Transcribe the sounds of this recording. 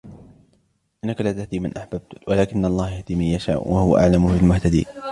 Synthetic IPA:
ʔɪnːakalaːt̪ahd̪iːmanʔaħbab̚t̪walaːkɪnːʔɑlˤːɑːhjahd̪iːmanjaʃa̰ːʔwʔahʊwa̰ʔa̰ʕlamʊfɪlmʊht̪ad̪ḭː

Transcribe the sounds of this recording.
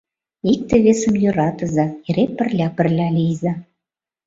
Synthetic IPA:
ik̚t̪ĕβesə̆mjø̆ɾɑt̪ɤ̆zɑeɾepɘ̆rlʲæpɘ̆rlʲælʲijzɑ

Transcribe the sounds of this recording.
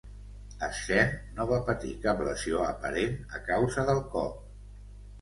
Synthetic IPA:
əʃɛnoβapət̪ḭkaplə̰zioəpə̰ɾenəkawzəðəlˠkɔ̰p

